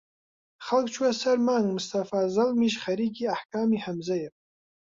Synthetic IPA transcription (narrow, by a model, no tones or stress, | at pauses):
χalɡʼt͡ʃʷʰwasarmanmustʰafazalmiʃχaɾiɡʲiaħkʰamiħamzajapʼ